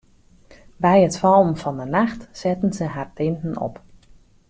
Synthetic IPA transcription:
bɛjətfɔlˠnfɔndənaxtsɛtən̩zəɦartɪntən̩ɔ̰p

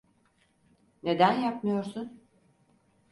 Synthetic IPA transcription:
ne̞d̪ænjapmɯjo̞ɾsun

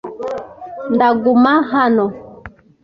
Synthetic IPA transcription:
ndaɡumaɦano

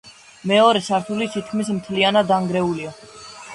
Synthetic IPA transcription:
mɛɔɾɛsaɾt̪ʰulit̪ʰit̪̚ʰkʰmis̬mt̪ʰlianad̪aŋɡɾɛulia

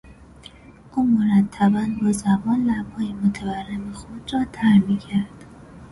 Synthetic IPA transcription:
ʔuːmoɾæt̪ʰːæbænbozæmɒːnlæb̥hɒːjemot̪ʰæbærːemexod̪ɾɒːt̪ʰæɾmiːcʰæɾd̪̥

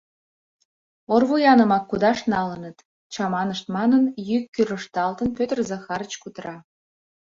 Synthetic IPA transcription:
orβujɑnəmɑkːud̪ɑʃnɑlənət̪ | t͡ɕɑmɑnəʃt̪mɑnənjykːyɾəʃt̪ɑlt̪ənpøt̪ərzɑxɑɾət͡ɕkut̪rɑ

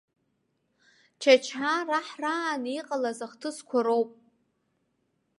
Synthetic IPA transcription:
t͡ʃʰat͡ʃʰaraħraːniqʼalazaχtʰɨskʷʰaɾowpʼ

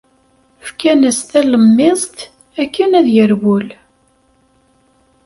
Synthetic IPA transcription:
fkænəst̪æləmːɪzˤt̪ | ækːənæðjəɾwʊl

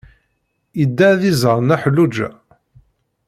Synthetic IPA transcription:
id̪ːæðizəɾˤnæħəlːud͡ʒæ̰

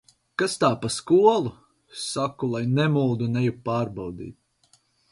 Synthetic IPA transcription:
kast̪aːpaskuɔlˠu | sakulˠajnɛmulˠd̪unɛjupaːɾbawd̪ḭːt̪

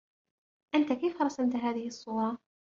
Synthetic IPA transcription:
ʔant̪akejfaɾˤɑsamt̪ɦaːðɪhɪsˤːuːɾˤɑ

